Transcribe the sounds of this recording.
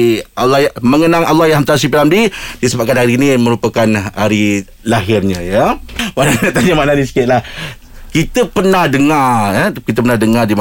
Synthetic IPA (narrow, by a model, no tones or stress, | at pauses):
ʔalːɑhjaməŋənãŋalːɑjahamt̪as̬ipilamdidisəbap̚kanɦaɾinimə̃ɾupakanhaɾi | laɦɪrɲãjamanat̪aɲamananisi̥kɪt̪̚lah | kit̪əpərnahdəŋarəkit̪əpərnahdəŋardima